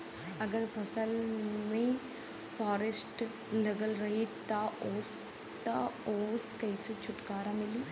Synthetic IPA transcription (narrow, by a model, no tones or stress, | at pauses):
ɐɡəɾpʰɐsəlmẽ | fʰaːɾesʈ | lɐɡəlɾɐɦet̪ɐoːs | t̪aoːskɐiset͡ʃʰʊʈkaːɾamɪliː